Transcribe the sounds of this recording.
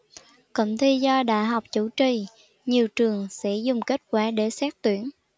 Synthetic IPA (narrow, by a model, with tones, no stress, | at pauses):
kə̰˧˨ŋ͡mt̪ʰi˧zɔ˧ɗa̰ː˧˨jɦa˨˩wk͡p̚t͡ɕu˧˥t͡ɕi˨˩ | ɲi˨˩əwt͡ɕɨ˨˩əŋsɛ̰˧˥zʊ˨˩ŋ͡mke˦˥t̚kwaː˧˩˦ɗe˧˩sɛː˦˥k̚t̪wi˧˦ən